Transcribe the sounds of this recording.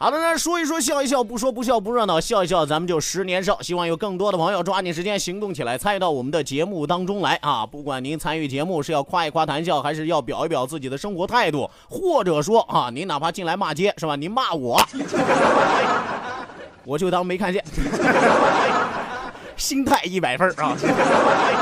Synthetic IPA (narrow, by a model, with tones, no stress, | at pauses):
xd̪a˧˩na˥˩ʂwɔ˥i˧˥ʂ̬wɔ˥ɕ̬jɑ˥˧ʊi˥˩ɕ̬jɑ˥˧ʊp̬u˥˩ʂ̬wɔ˥p̬u˧˥ɕ̬jɑ˥˧ʊp̬u˧˥ɻə˥˧nt̪ɑ˥˧˩ɕjɑ˥˧ʊi˧˥ɕ̬jɑ˥˩ʊt͡sa˧˥mə˧t͡ɕjo˥˩ʊʂɻ̩˧˥njɛ˧˥nʂ̬o˥˩ʊɕi˥wɑ˥˩ŋjo˨˩ʊkɤ˥˩ŋt̪wɔ˥də˨pʰjo˧ʊʈ͡ʂwa˥ni˧˩ʂɻ̩˧˥t͡ɕjɛ˥nɕi˧˥ŋt̪ʊ˥˩ŋt͡ɕʰi˨˩la˧˥ɪt͡sʰa˥ny˧t̪ɑ˥˩ʊwɔ˨˩mə˦nd̪ə˧t͡ɕjɛ˧˥mu˥˩t̪ɑ˥ŋʈ͡ʂʊ˥ŋla˧˥ɪʔɐ̰˧˩pu˥˩kwa˨˩nni˧˥nt͡sʰa˥ny˥˩t͡ɕjɛ˧˥mu˥˩ʂɻ̩˥˧jɑ˥˧ʊkʰwa˥˧i˧˩kʰwa˥t̪ʰa˧˥nɕjɑ˥˩ʊxa˧˥ɪʂɻ̩˥˧jɑ˥˩ʊpjɑ˨˩ʊ˥pjɑ˨˩ʊt͡sɹ̩˥˩t͡ɕi˨˩d̪ə˦ʂɤ˥ŋxwɔ˧˥t̪ʰa˥˧ɪt̪wṵ˥˩ | xwɔ˥˩ʈ͡ʂɤ˨˩ʂwɔ˥a˧˩ni˧˥na˨˩pʰa˥t͡ɕi˥˩nla˧˥ɪma˥˩t͡ɕjɛ˥ʂɻ̩˥˩ba˧˩ni˧˥nma˥˩wɔ˨˩˦ | wɔ˨˩t͡ɕjo˥˧ʊt̪ɑ˥˧˥me˧˥ɪkʰa˥˧nt͡ɕjɛ˥˩n˥ | ɕi˥nt̪ʰa˥˧ɪi˥˩pa˨˩ɪfə˥˧˥